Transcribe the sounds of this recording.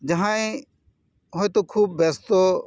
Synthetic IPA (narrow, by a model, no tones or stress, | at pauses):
d͡ʒɐɦãːẽ | ɦoet̪oːkʰuːb̚bɛːst̪oː